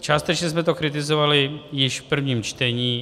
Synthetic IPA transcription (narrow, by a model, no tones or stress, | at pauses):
t͡ʃaːst̪ɛt͡ʃɲɛsmɛt̪o̞kɾɪt̪ɪzo̞valɪjɪʃfpr̩vɲiːmt͡ʃt̪ɛɲiː